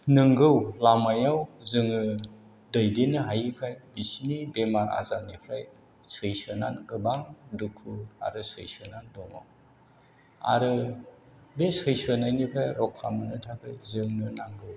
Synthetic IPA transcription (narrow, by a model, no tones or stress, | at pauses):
nɯŋɡɯwlamajawzɯŋɯ | dɯjdenɯɦajɯpʰɾajbisnibemaɾa̰zanipʰɾaj | sɯjsɯnanɡɯbaŋdukʰua̰ɾɯsɯ̰jsɯnandɔŋa̰w | a̰ɾɯ | besɯjsɯnajnipʰajɾɔkʰːamɯnɯtʰakʰɯjzɯŋnɯnaŋɡɯw